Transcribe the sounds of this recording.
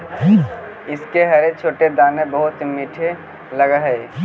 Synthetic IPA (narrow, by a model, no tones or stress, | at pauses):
iː | ɪskeɦəɾet͡ʃʰoːʈed̪aːnebəɦʊt̪miʈʰe | ləɡəɦɛe